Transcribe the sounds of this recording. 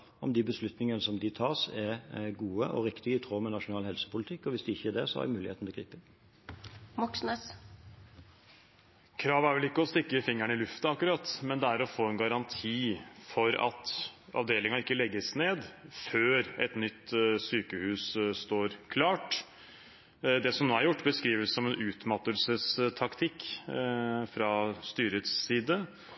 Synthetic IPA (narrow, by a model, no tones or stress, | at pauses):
ɔ̰md̪ɪbəslʉt̪nɪŋənəsɔmd̪ɪt̪ʰɑːʁsɛɡuːəʔɔ̰ɾɪkt̪ɪɡəɪt̪ʰʁoːmɛnɑʂʊnɑːlhɛlsə̥pʊlɪt̪ʰɪkːɔʋɪsd̪ɪɪçːəæd̪ɛsɔ̰hɑ̰dmʉːlɪheːt̪nɔɡʁiːpɪn | mɔksnəs | kʰɾɑːʋæɾʋɛlɪkːəɔst̪ɪkːəfɪŋːæɳɪlʉft̪əɑkːʉɾɑt̪ːmɛnd̪ɛæɾɔfoːɛnɡɑɾɑnt̪ʰiːfɔɾɑ̰t̪ɑ̰ʋd̪eːlɪŋɑɪkːəlɛɡːəsneːd̪føːɾɛt̪nʏt̪ːsyːkəhʉːsst̪oːɾkʰlɑːʈ | d̪ɛsɔmnoːæɾjʊʈːbəskɾiːʋəsɔmɛnʉːt̪mɑt̪ːəlsəst̪ʰɑkt̪ʰɪkː | fɾɑst̪yːɾət̪sːiːd̪ə